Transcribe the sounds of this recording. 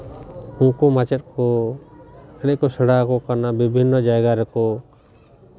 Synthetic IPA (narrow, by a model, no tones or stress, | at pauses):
uŋkɔmat͡ʃɛt̪̚kɔ | ɛnɛkɔsɛɽakɔkanabibʱinːɔd͡ʒajɡaɾɛkɔ